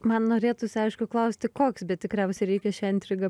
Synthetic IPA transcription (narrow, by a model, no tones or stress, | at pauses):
mɐnnoːɾʲeːt̪ʊsʲɪɐɪʃkʊklˠɐʊsʲt̪ʲɪkoːksbʲɛt̪̚ʲt̪ʲɪkɾʲɛʊsʲɛɪɾʲɛɪkʲɛʃʲɛɪnt̪ʲɾʲɪɡɐ